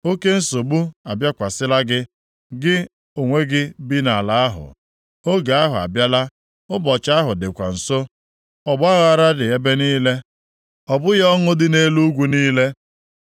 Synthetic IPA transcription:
o˦ke˦n̩˦so˨ɡ͡bu˦a˨bja˦kʷa˨sɪ˦la˦ɡɪ˦ | ɡɪ˦ | o˨ŋʷe˦ɡɪ˦bi˦na˨la˨a˦ɦʊ̰˨ | o˦ɡa˨a˦ɦʊ˨a̰˨bja˦la˦ | ʊ˦bɔ˨t͡ʃa˦a˦ɦʊ˨dɪ˨kʷa̰˨n̩˨so˦ | ɔ˨ɡ͡ba˦ɣʊ˨a˨ɾa˦dɪ˨e˦be˦niː˦le˦ | ɔ˨bʊ˦jɔ˦ŋʊ˦dɪ˦ne˦lu˦ɡʷu˦niː˦le˦

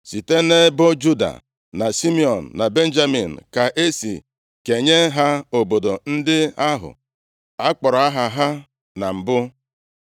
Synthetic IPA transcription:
si˨te˦ne˦bʊ˦d͡ʒu˦da̰˨ | na˨si˦mi˦ɔ˨n̩ː˨a˨be˦n̩˦d͡ʒa˦mi˨n̩˨ka˨ʔe˦sḭ˨ | ke˨ɲe˦ɦa˦o˨bo˨do˨n̩˦dɪ˦a˦ɦʊ̰˨ | a˦k͡pɔ˨ɾa˦ɦa˨ɦa˦ | na˨m̩˨bʊ˦

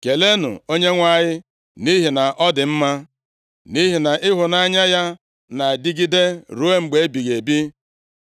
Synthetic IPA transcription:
ke˨le˦nʊ̰˨o˦ɲe˦ŋʷa˨ɲɪ˦ | ni˦ɦi˨na˨ʔɔ˦dɪ˨m̩˦ma˦ | ni˦ɦi˨na˨ʔɪ˦ɦʊ˨na˦ɲa˦ja˦ | na˨di˦ɡi˦de˦ɾu˦e˦ŋ͡m̩˨ɡ͡be˨e˦bi˨ɣe˨bi˦

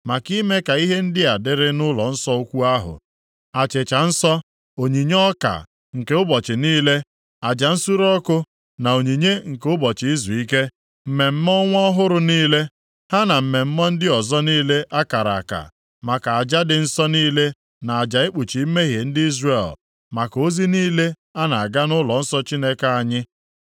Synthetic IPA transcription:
ma˨ki˦me˦ka˨i˦ɦe˦n̩˦dɪ˦a˨dɪ˦ɾɪ˦nʊ˦lɔ˨n̩˦sɔ˦o˦kʷu˦a˦ɦʊ̰˨ | a˨t͡ʃɪ˨t͡ʃa˨n̩˦sɔ˦ | o˨ɲi˨ɲ˦ɔ˦ka̰˨ | ŋ̩˨ke˨˦ʊ˦bɔ˨t͡ʃɪ˨niː˦le˦ | a˨d͡ʒa˨n̩˦su˦ɾɔ˦kʊ˦ | na˨o˨ɲi˨ɲe˦ŋ̩˨ke˦ʊ˦bɔ˨t͡ʃɪ˨i˦zu˨i˦ke˦ | m̩˨me˨m̩˦mɔ˦ŋʷɔ˦ɦʊ˦ɾʊ˨niː˦le˦ | ha˦na˨m̩˨me˨m̩˦mɔ˦n̩˦dɪ˦ɔ˨zɔ˦niː˦le˦ʔa˦ka˨ɾa̰˨a˨ka̰˨ | ma˨ka˨a˨d͡ʒa˦dɪ˨n̩˦sɔ˦niː˦le˦ | na˨a˨d͡ʒa˨ɪ˦k͡pu˨t͡ʃi˨i˦me˦ɦe˨n̩˦dɪ˦i˦zre˨l | ma˨ko˦zi˦niː˦le˦ | a˦na˨a˨ɡa˦nʊ˦lɔ˨n̩˦sɔ˦t͡ʃi˦ne˦ka˦a˨ɲɪ˦

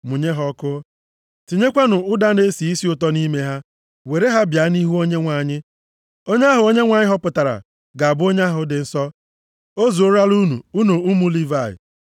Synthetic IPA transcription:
mʊ˨ɲe˦ɦɔ˦kʊ˦ | ti˨ɲe˦kʷa˦nʊ˨ʊ˦da˦ne˦si˨i˦si˦ʊ˨tɔ˦ni˦me˦ɦa˦ | we˨ɾe˦ɦa˦bja˨˦ni˦ɦu˦o˦ɲe˦ŋʷa˨ɲɪ˦ | o˦ɲ˦a˦ɦʊ˨o˦ɲe˦ŋʷa˨ɲɪ˦ɦɔ˦pʊ˨ta˨ɾa̰˨ | ɡa˨a˨bʊ˦o˦ɲ˦a˦ɦʊ˨dɪ˨n̩˦sɔ˦ | o˦zu˨o˦ɾa˦lu˦nu˨u˦no˨u˦mu˦li˦va˦˨ɪ̰˨

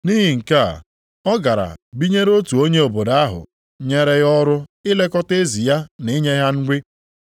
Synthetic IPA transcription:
ni˦ɦi˨ŋ̩˨ka˦˨ | ɔ˦ɡa˨ɾa̰˨bi˦ɲe˦ɾo˦tu˨o˦ɲe˦o˨bo˨da˦a˦ɦʊ̰˨ | ɲe˦ɾe˦ɣɔ˦ɾʊ˦ɪ˦le˦kɔ˦te˦zi˨ja˦ni˦ɲe˦ɦa˦n̩˦ɡʷɪ˦

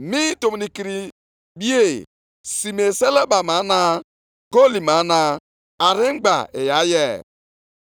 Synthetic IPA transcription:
mi˦to˨m˨ni˨ki˨ɾi˨ | bi˦e˦˨ | si˨me˨se˦le˦ba˨ma˨˦na˦ | ɡo˦li˨ma˨˦na˨ | a˨ɾi˦ŋ͡m̩˦ɡ͡ba̰˨e˨ja˨˦jɛ˦˨

